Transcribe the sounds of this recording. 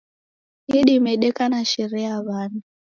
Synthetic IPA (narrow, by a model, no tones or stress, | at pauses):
iɗimɛɗɛkanaʃiɾɛaβaːni